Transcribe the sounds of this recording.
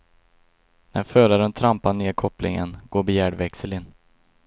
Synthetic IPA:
næɾfœːɾaɾənt̪ʰɾampaneːɾkʰɔplɪ̰ŋə̰nɡ̥oːɾbɪjæːɖvɛksəlɪn

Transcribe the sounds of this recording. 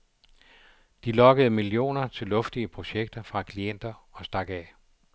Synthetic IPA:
d̥ilɒ̽ɡ̥əð̞̩ˠmilijo̝̰ːnɐt͡sʰe̝lɔ̽fd̥iəpʰʁo̝ɕeɡ̥̚d̥ɐfʁɑ̈kʰlien̰d̥ɐɒ̽sd̥ɑ̈ɡ̥ɛ

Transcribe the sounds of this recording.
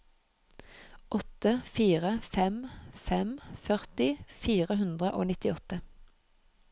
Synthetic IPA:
ʔɔt̪əfiːʁəfɛmfɛmfœʁt̪ɪfiːʁəhʉnd̪ʁəʔo̰ːnɪt̪ɪɔt̪ə

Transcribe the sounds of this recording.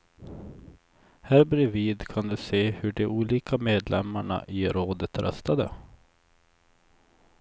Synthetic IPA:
hæːɾbɾɪviːd̪kʰand̪ɵseːhɵɖɛʔuːliːkameːd̪lɛmːaɳa̰ʔɪɾoːd̪ət̪ɾœ̰st̪ad̪ə̰

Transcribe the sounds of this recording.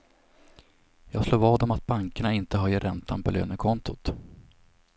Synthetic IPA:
jɑːɡsloːvɑːd̪ɔmat̪̚baŋkaɳaɪnt̪əɦɑjəɾʔɛnt̪ʰa̰npʰɔ̰lø̰ːnəkʰɔnt̪ʊt̪

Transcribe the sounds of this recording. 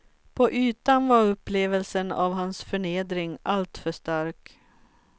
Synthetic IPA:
pʰɔʔyːt̪anvaɾɵpːleːvəlsəna̰vɦansfœɳeːd̪ɾɪŋalt̪fœʂt̪aɾk

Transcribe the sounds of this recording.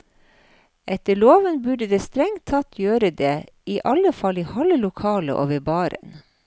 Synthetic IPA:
ʔɛt̪əɭoːʋənbʉɖəd̪eːst̪ɾɛŋt̪ʰːɑt̪ʰjøːɾəd̪eː | iːʔɑləfɑliːhɑləlʊkʰɑːlə̰ʔo̰ːʋəbɑːɾə̰n

